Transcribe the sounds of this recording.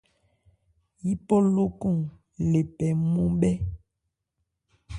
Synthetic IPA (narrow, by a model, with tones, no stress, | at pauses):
ji˦pɔ˦lo˦ku˦˨ŋ | le˨pɛ˨mũ˦bɛ˦